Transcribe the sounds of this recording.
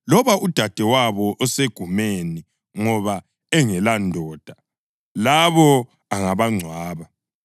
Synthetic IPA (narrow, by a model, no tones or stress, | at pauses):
lɔβaʔud̥ʱad̥ʱɛwaβɔʔɔseɡ̥ʱumeni | ŋɔβa | ɛŋɛlandʱɔːd̥ʱa | laβɔ | aŋaβaŋ͡ǀʱwaːβa